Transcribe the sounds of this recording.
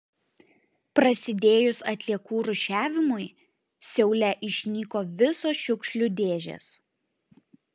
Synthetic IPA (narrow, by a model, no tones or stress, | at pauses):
pɾɐsʲɪd̪ʲeːjʊsɐt̪ʲlʲiɛkuːɾʊʃʲæːʋʲɪmʊɪ | sʲɛʊlʲɛʔɪʃʲnʲiːkoːʋʲɪsoːʃʲʊkʃʲlʲʊd̪ʲeːʒʲḛs